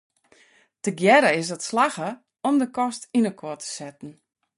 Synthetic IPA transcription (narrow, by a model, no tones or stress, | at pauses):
təɡjɛɾəɪs̬dɔtslaxə | ɔmdəkɔstinəkʰotʰə̥sɛtn̩